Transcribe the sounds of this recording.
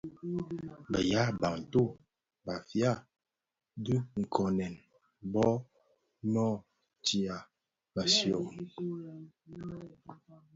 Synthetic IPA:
bə˨ja˦ba˨n̩˨to˦˨ | ba˨fja˦˨ | du˦ŋ̩˨kʰɔ˨nɛ˨n | bɔ˦ | nɔ˦˨ | ti˨a˨ | ba˨sjɔ˨

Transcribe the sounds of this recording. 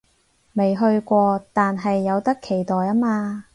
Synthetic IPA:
me˨jɦɵ˧ɥkʷɔː˧t̪aː˨nɦɐ˨jːɐ˨˧wt̪ɐ˥kʰe˨˩jt̪ɔː˨jɐː˥maː˧

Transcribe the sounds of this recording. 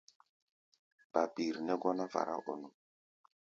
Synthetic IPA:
b̥a˨bi˨ɾnɛ˦ɡɔ˦na˦va̰˨ɾʔa̰˦ʔo˨nɔ˨

